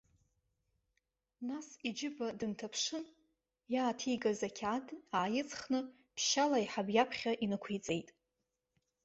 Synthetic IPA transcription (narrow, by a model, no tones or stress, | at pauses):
nasid͡ʒɪbadɨntʰapʰʂɨn | jaːtʰijɡazakʲʰadaːjɪt͡sʼχnɨ | pʰʃalaiħabjapʰχʲaʔinɨkʷʰijt͡sʼe̞jtʼ